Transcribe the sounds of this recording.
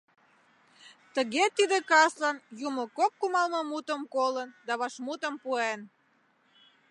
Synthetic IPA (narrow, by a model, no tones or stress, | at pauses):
t̪əɣet̪id̪ekɑslɑnjuməkokːumɑlməmut̪əmkolənd̪ɑβɑʃmut̪əmpuen